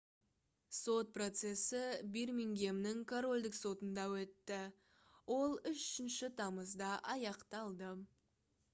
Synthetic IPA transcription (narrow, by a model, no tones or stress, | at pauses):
so̞t̪̚pro̞t̪se̞sɪbirmʲiŋɡʲe̞mnɪŋkʰoro̞lʲd̪ɪkso̞t̪ənd̪ɑwɵt̪ːɪ | wo̞lˠʏʃʏ̥ʃɪnʃɪt̪ʰɑməzd̪ɑʔɑjɑqt̪ɑlˠd̪ə